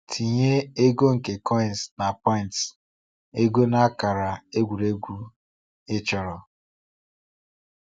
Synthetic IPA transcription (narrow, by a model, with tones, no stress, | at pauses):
tʰi˨ɲe˦e˦ɡo˦ŋ̩˨ke˨kʰɔ˦ɪ˨n̩˨sna˨pɔ˦ɪ˨nts | e˦ɡo˦na˦ka˨ɾa˨e˦ɡʷu˨ɾe˦ɡʷu˦ | e˦t͡ʃɔ˨ɾɔ˨